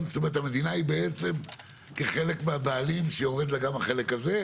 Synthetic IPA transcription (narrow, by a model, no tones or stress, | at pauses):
st̪ome̞et̪ame̞d̪inaibe̞et͡se̞m | ke̞χe̞le̞kmeabeːlimʃejoʁed̪laɡamaχe̞lekaze̞